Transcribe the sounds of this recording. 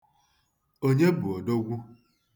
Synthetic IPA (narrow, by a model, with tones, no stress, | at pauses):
o˦ɲe˦bu˨o˨do˦ɡʷu˦